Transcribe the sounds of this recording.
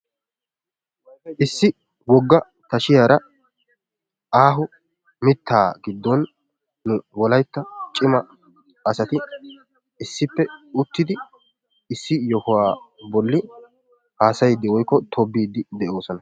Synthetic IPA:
ʔɪsːɪ | wɔɡːɐ | t̪ɐʃɪjaːɾɐ | ʔaːɦʊ | mɪt̪ːaːɡɪd̪ːɔnː | ʊwɔlɐjt̪ːɐt͡ʃʼɪmɐ | ɐsɐt̪ɪ | ɪsːɪpːɛʊt̪ːɪd̪ɪ | ɪsːɪjɔhʊwaːbɔlːɪ | haːsɐjɪd̪ːɪwɔjkːɔt̪ʰɔbːiːd̪ːɪd̪ɛʔo̞ːsɔnɐ

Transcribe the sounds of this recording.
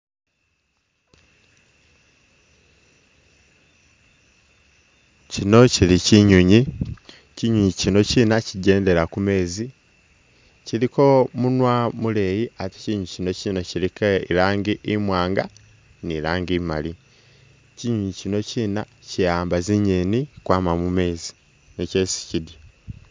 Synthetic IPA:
cino̞ciliciɲuɲi | ciɲuɲicino̞ciːnaciɟe̞ːnde̞ɾakume̞ːzi | ciɾiko̞munwamule̞jiati̥ciɲucino̞cino̞cilikeiɾaːŋɡiʔːmwaːŋɡa̰ | niɾaːŋɡimali | ciɲuɲicino̞ciːna | cijaːmbaziɲenikwaːmamume̞ːzi | neceːsi̥cidi

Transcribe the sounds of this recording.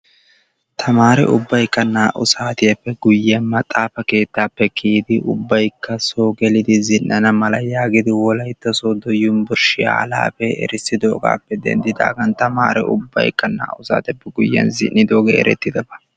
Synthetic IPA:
t̪ʰɐmaːɾɛ̰ʔʊbːɐjkːɐnːaːʔʊsaːt̪ɪjɐpːɛɡʊjːɛnmɐt̪ʼaːfɐke̞ːt̪ːaːpːɛkʰiːd̪ɪʔʊbːɐjkːɐsoːɡɛlɪd̪ɪzɪnːɐnɐmɐlɐjaːɡɪd̪ɪwɔlɐjt̪ːɔsoːd̪ɔjːʊnbʊɾʃɪa̰ːla̰ːpɛɛ̰ɾɪsɪd̪oːɡa̰ːpːɛd̪ɛ̰nd̪ɪd̪a̰ːɡɐnt̪ɐma̰ːɾɛ̰ʔʊ̰bːɐ̰jkʼːɐnːa̰ːʔʊsa̰ːt̪ɛpːɛɡʊjːɛ̰nzɪ̰nːɪd̪oːɡḛɛ̰ɾɛ̰t̪ːɪd̪ɐbɐ

